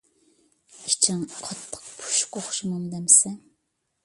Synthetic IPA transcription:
it͡ʃʰɪŋqʰɑt̪ʰːə̥q̚pʰu̥ʃu̥koχʃimɑmd̪ɛmsɛ

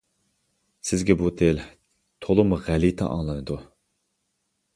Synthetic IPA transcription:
sɪzɡʲɛbut̪ʰel | t̪ʰolˠumʁælit̪ʰɑ̰ʔɑ̰ŋlˠɑnɨd̪u

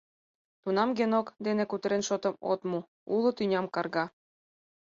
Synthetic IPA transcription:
t̪unɑmɡenokd̪enĕkut̪ɾenʃot̪ɤ̆mo̰t̪mu | ulˠɤ̆t̪ynʲɑmkɑrɣɑ

